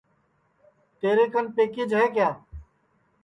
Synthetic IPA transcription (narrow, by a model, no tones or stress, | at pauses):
t̪eːɾeːkənpeːkɪd͡ʒɦɛːkjaː